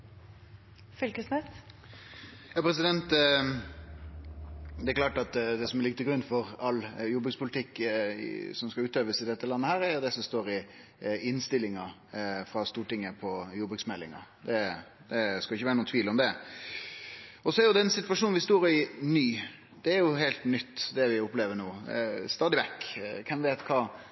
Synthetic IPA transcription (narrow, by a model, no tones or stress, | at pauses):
fʏlkəsnɛt̪ | jɑːpʰɾɛs̬ɪd̪ɛnt̪ | d̪ɛæɾklɑːʈɑt̪d̪ɛsɔmɛɾlɪɡt̪ːəɡɾʉnːfɔɾɑljʊbəɡspʊlt̪ʰɪkː | sɔmskɑʉːt̪øːʋəsɪd̪ɛt̪ːəlɑnːəhæːɾæɾjʊd̪ɛsɔmst̪oːɾɪ | ɪnst̪ɪlɪŋɑfɾɑst̪uːʈɪŋːəpʰɔjʊbʉksmɛlːɪŋɑ̰d̪ɛ | d̪̥ɛskɑɪçːəʋæːɾnuːnt̪ʰʋiːlɔmd̪ɛ | ɔsɔɛæɾjʊd̪ɛnsɪt̪ʋɑʂuːnʋɪst̪oːɾɪnyː | d̪̥ɛːɾjʊɦeːlt̪nʏt̪ːd̪ɛʋɪʊpleːʋəɳuːst̪ɑːd̪ɪʋɛkːkʰɛmʋeːt̪kʰɑː